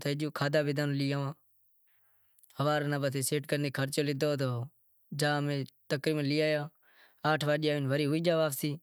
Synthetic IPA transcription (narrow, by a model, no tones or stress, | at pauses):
t̪ʰed͡ʒoːkʰaːd̪aːbɪd̪aːnːlɪjaːãː | həʋaːɾnãːbət̪ʰeːseːʈkəɾneːkʰəɾt͡ʃoːlɪd̪oːt̪oː | d͡ʒaːmẽːt̪əkɾiːbənlɪjaːjaː | aːʈʰʋaːɗɪjaːʋɪnʋəɾiːɦʊiːd͡ʒaːʋaːpsiː